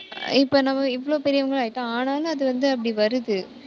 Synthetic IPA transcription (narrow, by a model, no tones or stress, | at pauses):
ɪpːoːnɐmːɐɪʋːɐɭoːpɛɾɪjɐʋɐŋɡɐɭaːjɪʈːãːaːnaːlɐɐðɯʋɐnd̪ɯɐp̬ːɐɽiʋɐɾɯðɯ